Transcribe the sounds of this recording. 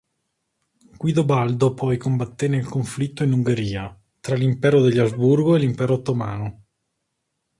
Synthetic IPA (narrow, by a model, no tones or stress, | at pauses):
ɡ̥wiːd̪obald̪opʰɔjkombat̪ːenelkoɱflit̪ːoinuŋɡeɾiːa | t̪ɾalimpɛːɾod̪eʎːazburɡoelimpɛːɾot̪ːomaːno